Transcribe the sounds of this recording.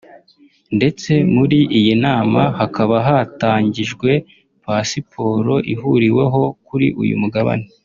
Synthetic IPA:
nde̞t͡se̞muɾiʔijinaːmahakaβaɦataːɲɟiʒɡwe̞ | pasipʰo̞ːɾo̞ʔiɦuɾiwe̞ɦo̞kuɾḭʔṵjṵmuɡaβa̰ne

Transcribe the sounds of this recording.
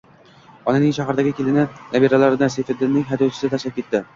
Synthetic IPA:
ɒnanɪŋʃaɦaɾd̪aɡʲɪkʲʰelɪnɪnabeɾalaɾɪnasefɪɾd̪ɪnːɪŋʲɦad̪ɒwt͡ʃʰɪ̥sɪt̪ʰaʃlap̚kʲet̪ːɪ

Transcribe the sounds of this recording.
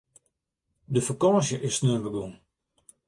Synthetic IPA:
dəfakɔːsjəʔɪsnørbəɡun

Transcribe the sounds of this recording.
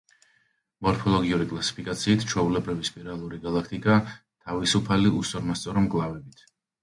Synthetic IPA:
mɔɾpʰɔlˠɔɡiuɾikʼlˠasi̥pʰikʼat̪sʰiːt̪ʰt͡ʃʰwɛulɛbɾivispʼiɾalˠuɾiɡalˠakʰt̪ʼikʼa | t̪ʰavisupʰaliusɔɾmast̪sʼɔɾɔmɡʼlˠavɛbit̪ʰ

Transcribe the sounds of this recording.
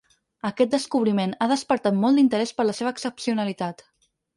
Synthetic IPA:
əkɛt̪̚d̪əskuβ̞ɾimenaðəspəɾt̪at̪mɔlˠd̪int̪əɾɛspəɾləseβəːksəpsiunəlit̪at̪

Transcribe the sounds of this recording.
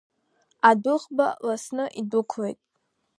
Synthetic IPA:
adʊχbalasnɨʔidʊkʷʰlḛjtʼ

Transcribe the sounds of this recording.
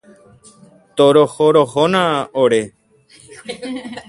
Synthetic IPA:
t̪oɾohoɾohonãoɾe

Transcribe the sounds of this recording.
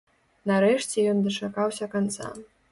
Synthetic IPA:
nɐɾɛʂt͡sʲɛjɔnd̪ɐt͡ʂakawsʲɐkant̪sa̰

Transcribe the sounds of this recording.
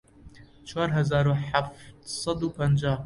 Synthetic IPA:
t͡ʃʰwaːɾɦɐzaːɾuħaft̪sˤɑd̪upɐnd͡ʒaː

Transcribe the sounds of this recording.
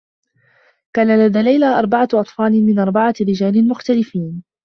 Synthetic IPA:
kaːnalaðaːlajlaːʔɑɾˤbaʕaʔɑt̪ˤfɑːlɪmɪnʔɑɾˤbaʕaɾɪd͡ʒaːlɪlmʊxt̪alɪfiːn

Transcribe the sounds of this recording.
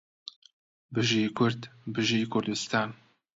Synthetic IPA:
bɨʒikʰʊɾd̪bɨʒijkʰʊɾd̪ust̪aːn

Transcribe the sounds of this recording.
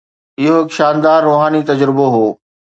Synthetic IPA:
ɪɦoɪkʃaːnd̪aːɾːoːɦaːnit̪ɐd͡ʑɾɪboɦoː

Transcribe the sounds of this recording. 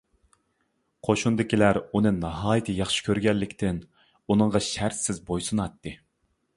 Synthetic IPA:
qʰoʃund̪ɪkʲilæɾunɨnɑɦɑːjit̪ʰɨjɑχʃɪ̥kʲʰøɾɡʲɛlːɪkʲt̪ʰɪn | unɨɴʁɑʃæɾt̪sɪzbojsɨnɑt̪ːɨ

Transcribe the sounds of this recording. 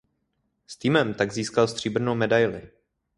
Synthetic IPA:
st̪iːmɛmt̪aɡziːskalst̪r̝̥iːbr̩nowmɛdajlɪ

